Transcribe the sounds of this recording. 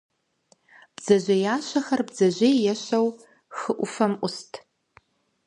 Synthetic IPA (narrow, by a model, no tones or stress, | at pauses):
b̥z̥ɐʒʷɐjaːʃɐxɐrbzɐʒʷejjɛʃɐw | xɨʔʷʊfɐmʔʷʊstʰʼ